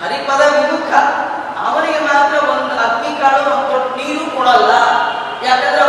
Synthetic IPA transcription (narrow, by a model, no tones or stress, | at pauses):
ɦɐɾipɐd̪ɐʋid̪ukʰːɐ | ɐʋɐniɡemaːt̪ɾɐond̪uɐd̪mikaːɭɐonoʈniːɾukɔːɽɐlːɐ | jaːkɐnd̪ɐɾe